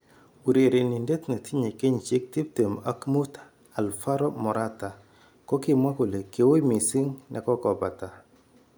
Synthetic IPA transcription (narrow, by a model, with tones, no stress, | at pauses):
u˨ɾe˨ɾe˨nɪ˨nde˦t̪na˨tʰi˦ɲe˨ke˦ɲt͡ʃɪ˦k̚ti˦p̚te˨ma˦kmu˦t | a˨lfa˦ɾɔ˦mɔ˨ɾʔa˦ta˨ | kɔ˦kɪ˦˨mwa˦ko˨le˨ke˨˦wo˦jmi˨si˦ŋnʔɛ̰˨kɔ˦kɔ˨ba˨ta˨